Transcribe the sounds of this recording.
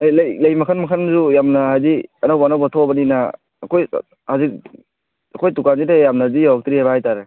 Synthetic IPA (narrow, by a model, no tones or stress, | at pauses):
ajlɐjlɐjmɐkʰanmakʰanzujamnɐɦajziɐnawbɐːnawbɐtʰɔbɐninaː | kʰoj̰ | hazik̚ | ɐkʰojtukanzidajamnazijawak̚tɾihajbaɦajtaɾe